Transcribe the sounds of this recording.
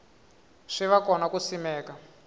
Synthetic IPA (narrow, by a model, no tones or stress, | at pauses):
ʂiʋakɔnakusimɛːka